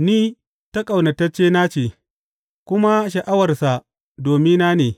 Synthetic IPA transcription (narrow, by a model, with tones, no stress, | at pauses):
niː˦ | ta˦kʼa˨wna˨tɐ˦t͡ʃeː˦na˦t͡ʃeː˨ | kʷʊ˦ma˦ʃ̬ɐ˨ʔa˦wɐ˨rsa˨ | doː˨mɪ˦nna˦neː˨